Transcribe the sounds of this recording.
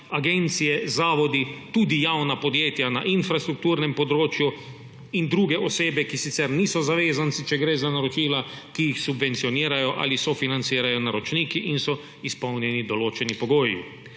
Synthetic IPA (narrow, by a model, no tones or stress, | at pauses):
aɡent̪sijɛzaːʋɔd̪it̪uːd̪ijawnapod̪jeːt̪jana̰ʔinfɾast̪ɾuk̚t̪uːɾnɛmpod̪ɾoːt͡ʃju | ind̪ɾuːɡɛʔoseːbɛkisit̪sɛɾniːsɔzaʋeːzant̪sit͡ʃɛɡɾeːzanaɾot͡ʃiːla | kijixsubʋent̪sijoniːɾajɔʔa̰lisɔfinant̪siːɾajɔnaɾɔt͡ʃniːkiʔinsɔ | ispɔwnjɛnid̪ɔloːt͡ʃɛnipoɡoːjḭ